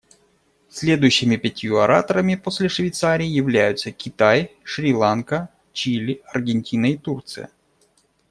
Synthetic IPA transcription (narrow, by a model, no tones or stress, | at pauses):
sʲlʲe̞d̪ʊjʏɕːɪmʲɪpʲɪtʲjuɐɾa̰t̪əɾəmʲɪposʲlʲɪʂvʲɪjt̪saɾʲɪːjɪvlʲæjʊt̪səkʲɪt̪ajʂɾʲɪlˠankə | t͡ɕilʲɪɐrɡʲɪnʲtʲinəit̪urt̪sɨjə̰